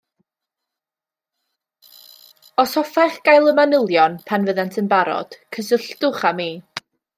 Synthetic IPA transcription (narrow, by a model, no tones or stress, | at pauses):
ɔsɔfaχɡ̥ajlˠəmanəlˠjɔnpʰanvəðantʰənbaɾɔ̰d̥kʰəsəɬtʊχamiː